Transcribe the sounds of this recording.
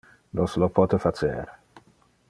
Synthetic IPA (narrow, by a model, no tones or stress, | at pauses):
noslopʰɔːt̪efat͡ʃḛɾ